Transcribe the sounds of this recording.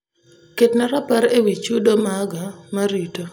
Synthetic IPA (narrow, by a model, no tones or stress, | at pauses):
ketnaɾapaɾewit͡ʃudomaɡamaɾito